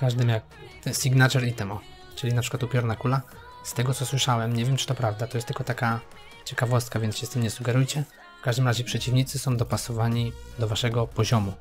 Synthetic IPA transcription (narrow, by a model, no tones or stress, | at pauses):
kaʐd̪ɘmjak̪̚ | sʲiɡnat͡ʂɛɾit̪ɛmɔ | t͡ʂɘlʲinapʂɘ̥kwat̪upʲjɔɾnakula | st̪ɛɡɔt̪sɔswɘʂawɛmɲɛvʲjɛmt͡ʂɨ̥t̪ɔpɾavd̪at̪ɔjɛst̪ːɘlkɔt̪aka | t͡ɕɛkavɔst̪̚kavʲjɛnt̪ɕɛst̪ɘmɲɛsuɡɛɾujt͡ɕɛ | fkaʐd̪ɘmɾaʑɛpʂɛt͡ɕivɲit̪sɨsɔ̃w̃d̪ɔpasɔvaɲid̪ɔvaʂɛɡɔpɔʑɔmu